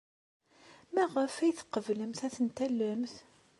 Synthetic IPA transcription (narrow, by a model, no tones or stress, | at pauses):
mæʁəfæjθə̥qːəvləmθæθənt̪ælːəmθ